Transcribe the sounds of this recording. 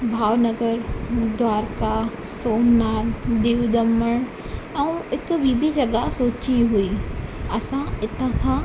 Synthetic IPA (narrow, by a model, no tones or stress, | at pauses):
bʱaːʋnɐɡəɾd̪ʋaːɾkasoːnːaːɾd̪eːʋd̪ɐməɽ̃ | ɛ̃ũɪkbiːbid͡ʒɐɡasoːt͡ʃiɦuiɐsãɪt̪ãkʰãː